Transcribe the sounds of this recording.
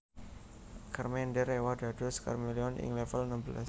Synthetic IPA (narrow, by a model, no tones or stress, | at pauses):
karmendɛɾewad̥a̤d̥ɔska̰rmiliɔnʔɪ̰ŋlɛfəlnəmbəla̰s